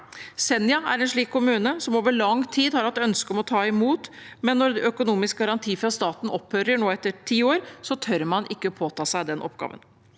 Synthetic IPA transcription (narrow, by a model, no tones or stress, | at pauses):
sɛnjɑæɾɛːnʂɭiːkʰːʊmʉːnəsɔmoːʋəɭɑŋt̪ʰiːd̪hɑɾhɑt̪ːœnskəɔmɔt̪ʰɑːɪmuːt̪mɛnːɔɾœkʊnuːmɪsk̚ɡɑɾɑnt̪ʰiːfɾɑst̪ɑːt̪n̩ɔphøːɾəɳoːɛt̪ːəɾʈʰiːoːɾsɔt̪ʰœɾmɑnʔɪkːəɔpʰoːt̪ʰɑːsæɪd̪ɛnʔɔ̰pɡɑ̰ːʋə̰n